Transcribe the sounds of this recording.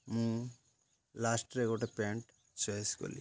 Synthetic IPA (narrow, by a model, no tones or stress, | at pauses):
muː | laːsʈɾekuɽɐpeːɳʈ | t͡ʃeːsko̰li